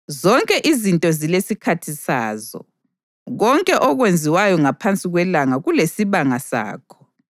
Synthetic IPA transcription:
zɔŋkʼɛʔizintʼɔzilesikʰatʰisa̰ːzɔ̰ | ɣɔŋkʼɛʔɔɣwend͡zʱiwajɔŋapʰant͡sʼiɣwɛlaŋaɣulesiβaŋasa̰ːkʰɔ̥

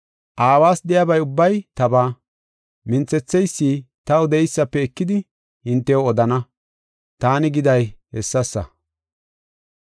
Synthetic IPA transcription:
ʔaːwaːsd̪ɛjɐbɐjʊbːɐjt̪ɐbaː | mɪnt͡sɛt͡sːɛjsːiːt̪ɐwʊd̪ɛɪjsːɐpːɛɛkːɪd̪ɪ | hɪnt̪ːɛwɔd̪ɐnɐ | t̪aːnɪɡɪd̪ɐjhɛsːɐsːɐ̰

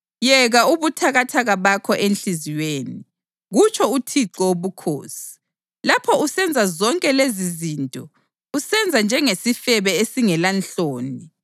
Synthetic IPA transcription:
jɛɣauβutʰaɣatʰaɣaβakʰɔʔenɬiziweːni | ɣut͡ʃʰɔutʰiǁɔoβukʰo̰ːsi̥ | lapʰɔusɛnd͡zʱazɔŋkʼɛleziziːntʼɔ | usɛnd͡zʱand͡ʒʱɛŋesifɛβɛesiŋɛlanɬoːni

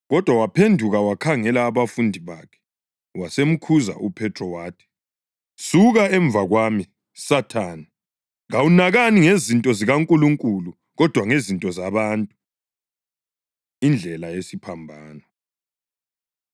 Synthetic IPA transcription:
ɣɔd̥ʱwawapʰendʱuɣawakʰaŋɛlaːβafundʱiβakʰɛ̥ | wasem̩kʰuza̰ʔupʰɛtʰrɔwaːtʰi̥ | suɣaɛɱb̪vaɣwami | satʰaːni | ɣawunaɣaniŋezintʼɔziɣaŋkʼuluŋkʼulu | ɣɔd̥ʱwaŋezintʼɔzaβantʼu | ind͡ɮʱɛlajesipʰambʱaːnɔ

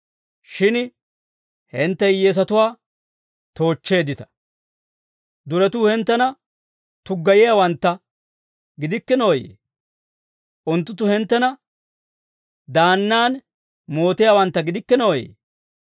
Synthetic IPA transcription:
ʃɪn | hɛnt̪ːɛjjeːs̬ɐt̪ʊwaː | t̪o̞ːt͡ʃːe̞ːd̪ːɪt̪ɐ̥ | d̪ʊɾɛt̪uːhɛnt̪ːɛnɐ | t̪ʊɡːɐjɪjaːwɐnt̪ːɐ | ɡɪd̪ɪkːɛnoːjḛː | ʔʊnt̪ːʊt̪ːʊhɛnt̪ːɛnɐ | d̪aːnːaːn | mo̞ːt̪ɪjaːwɐnt̪ːɐɡɪd̪ɪkːɛnoːjḛː

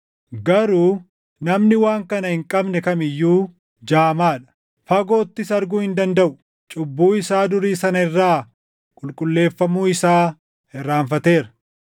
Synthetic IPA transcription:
ɡɐɾuː | nɐmnɪwaːŋkɐnɐhɪŋkʼɐbnɛkɐmɪjːuː | d͡ʒaːmaːᶑɐ̥ | fɐɡo̞ːt̪ːɪsɐɾɡuːhɪnd̪ɐnd̪ɐʔʊ | t͡ʃʼʊbːuːɪsaːd̪ʊɾiːsɐnɐɪrːaː | kʼʊlkʼʊlːe̞ːfːɐmuːɪsaː | ɛrːaːɱfɐt̪e̞ːɾɐ̥

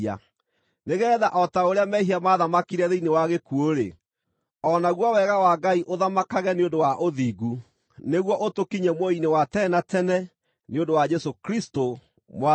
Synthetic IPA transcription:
a̰ | neɣɛːðaʔɔtaoɾeamɛɦiamaðamakiɾɛðeinewaɣekuoɾḛ | ɔnaɣwɔwɛɣawaɡaiʔoðamakaɣɛneondowaʔoðiɣu | neɣwɔʔotokiɲɛmoinewatɛnatɛnɛ | neõndowad͡ʒɛsokɾisto | mwa

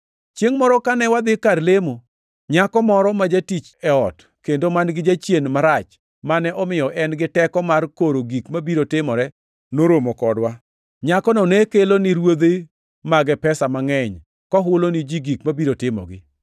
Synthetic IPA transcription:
t͡ʃjeŋmɔɾɔkanɛwad̪ɪkarlemo | ɲakɔmɔɾɔmad͡ʒatit͡ʃɛɔt | kendomanɡɪd͡ʒat͡ʃjenmaɾat͡ʃ | manɛʔɔmɪjɔʔɛnɡɪtɛkɔmarkoɾoɡikmabiɾotɪmɔɾɛ | noɾomokɔdwa | ɲakɔnɔnekelonɪɾwod̪e | maɡɛpɛsamaŋɛɲ | kɔɦʊlonɪd͡ʒiɡikmabiɾotɪmɔ̰ɡɪ

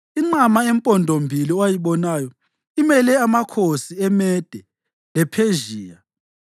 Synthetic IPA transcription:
iŋ͡ǀamaempʼɔndʱombʱiliwajiβɔnaːjɔ | imɛlɛamakʰosiɛmɛd̥ʱɛ | lɛpʰeʒiːja

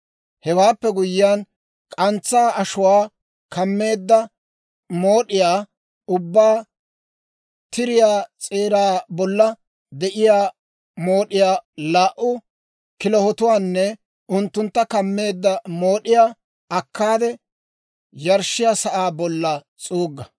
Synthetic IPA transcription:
hɛwaːpːɛɡʊjɪjan | kʼɐnt͡sːaːɐʃʊwaː | kʰɐmːe̞ːd̪ːɐ | moːɗɪjaː | ʊbːaː | t̪ɪɾɪjaːt͡sʼeːɾaːbɔlːɐ | d̪ɛʔɪjaː | mo̞ːɗɪjaːlaːʔʊ | kɪlɔhɔt̪ʊwaːnːɛ | ʊnt̪ːʊnt̪ːɐkɐmːe̞ːd̪ːɐmoːɗɪjaː | ɐkːaːd̪ɛ | jɐɾʃɪjaːsɐʔaːbɔlːɐ | t͡sʼuːɡːɐ

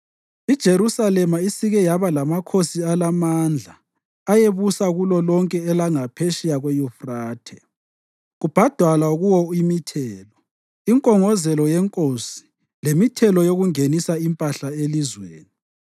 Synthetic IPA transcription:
id̥ʒ̥ʱeɾusalɛmaisiɣɛjaβalamakʰosialamand͡ɮʱaː | jeβusaɣulɔlɔŋkʼɛːlaŋapʰeʃijaɣwejufraːtʰɛ | ɣub̥ʱad̥ʱwalauɣuwɔimitʰɛːlɔ | iŋkʼɔŋɔzɛlɔjɛŋkʼosi̥ | lemitʰɛlɔjoɣuŋenisaimpʼaɬaelizwḛːni

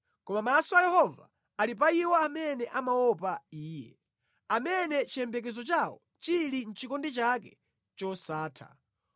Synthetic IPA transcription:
kɔmamasɔajɛhɔva̰ | alip̬aiwɔamɛnɛʔamawɔpaiːjɛ̰ | amɛnɛt͡ʃʰijɛmbɛk̬ɛzɔt͡ʃawɔ̰ | t͡ʃilin̩t͡ʃikɔndit͡ʃakɛ | t͡ʃɔsaːtʰa̰

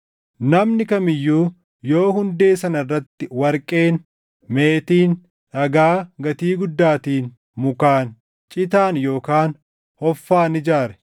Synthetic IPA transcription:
nɐmnɪkɐmɪjːuː | jo̞ːɦʊnd̪e̞ːsɐnɐrːɐt̪ːɪwɐɾkʼe̞ːn | me̞ːt̪iːn | ᶑɐɡaːɡɐt̪iːɡʊd̪ːaːt̪iːn | mʊkaːn | t͡ʃʼɪt̪aːnjo̞ːkaːn | hɔfːaːnɪd͡ʒaːɾɛ̥

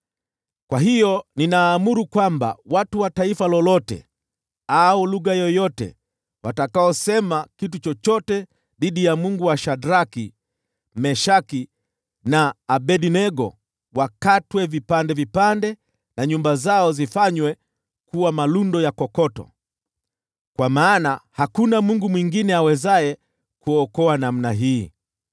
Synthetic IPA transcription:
kwaɦijɔninaːmuɾukwamba̰watuwataifalɔlɔtɛ̰ | aɔluɣajɔjɔtɛ̰ | watakaɔsɛmakitut͡ʃɔt͡ʃɔtɛ | ɗiɗijamuŋɡuwaʃadɾaki | mɛʃaki | naːɓɛɗinɛɡɔ̰ | wakatwɛvipandɛvipandɛ | naɲumbazaɔzifaɲwɛ | kuwamalundɔjakɔkɔtɔ̰ | kwamaːnahakunamuŋɡumwiŋɡinɛawɛzaɛ | kuɔkɔanam̩naɦiː

